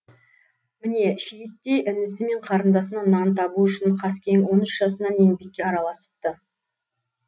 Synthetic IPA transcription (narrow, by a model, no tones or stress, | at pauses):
mɪne̞ʃejʲɪt̪ːe̞jʔʏnɪsɪme̞ɴqʰɑɾənd̪ɑsənɑnɑnt̪ʰɑbuʏʃɪɴqʰɑskʲeŋwo̞nʏʃʒ̥ɑsənɑne̞ŋbe̞kʲːe̞ɑɾɑlˠɑsə̥p̚t̪ə